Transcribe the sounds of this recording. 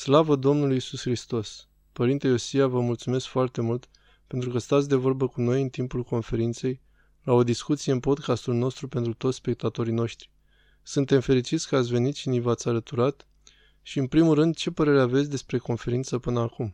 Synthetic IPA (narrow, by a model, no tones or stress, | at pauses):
slavəd̪o̞mnulujisusxɾist̪o̞s | pəɾint̪ejo̞siavəmult̪sume̞skfoart̪e̞mult̪ | pe̞nt̪ɾukəst̪at̪sʲd̪e̞vo̞rbəkuno̞jɨnt̪impulko̞nfe̞ɾint̪se̞j | lao̞d̪iskut̪sije̞ɨnpo̞d̪kast̪ulno̞st̪ɾupe̞nt̪ɾut̪ot̪sʲspe̞k̚t̪at̪o̞ɾino̞ʃt̪ɾi | sɨnt̪e̞mfe̞ɾit͡ʃit̪sʲkəat̪sʲve̞nit̪ʃinivat̪sʲalət̪uɾat̪ | ʃiɨnpɾimulːɨnd̪̚t͡ʃe̞pəɾe̞ɾeave̞t̪sʲd̪e̞spɾe̞ko̞nfe̞ɾint̪səpɨnəakum